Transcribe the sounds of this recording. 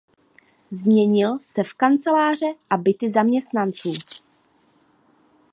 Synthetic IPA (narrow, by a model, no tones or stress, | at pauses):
zmɲɛɲɪlsɛfkant͡sɛlaːr̝ɛʔabɪt̪ɪzamɲɛst̪nant͡suː